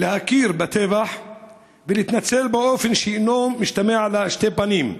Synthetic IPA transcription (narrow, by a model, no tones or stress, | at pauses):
lehakiːɾbat̪evaħ | velit̪nat͡selbeʔofenʃeinomːiʃt̪ameʕalaʃt̪epaniːm